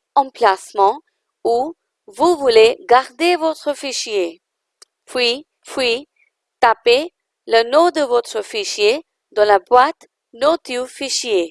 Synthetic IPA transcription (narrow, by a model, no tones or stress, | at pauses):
ɑ̃plasmɑ̃ | u | vuvuleɡaʁd̪evot̪χəfiʃje | pwi | pwi | t̪ape | lənod̪əvot̪χəfiʃje | d̪ɑ̃labwat̪ | not̪yfiʃje